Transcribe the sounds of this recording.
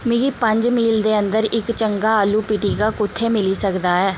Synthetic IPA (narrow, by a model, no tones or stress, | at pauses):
mɪɡiːpəɲd͡ʒmiːld̪eːənd̪əɾɪkt͡ʃəŋɡaːaːlːuːpɪʈiːɡaːkʊt̪ʰːeːmɪliːsəkd̪aːɛː